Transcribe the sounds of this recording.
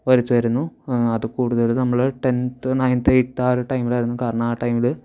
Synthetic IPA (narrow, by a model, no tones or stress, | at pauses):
ʋɐɾut̪ːuʋɐɾunːuɐðɨkuːɽuðɐlnɐmːɐɭɨʈent̪ɨnɐjnt̪eʈːaːɾɨʈɐjmilaːjiɾunːukaːɾɐɳaːʈːɐjmilɨ